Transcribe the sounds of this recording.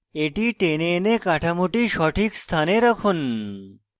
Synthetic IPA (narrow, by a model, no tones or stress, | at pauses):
eʈiʈenenekaʈʰamuʈiʃɔʈʰiːkst̪ʰaneɾəkʰun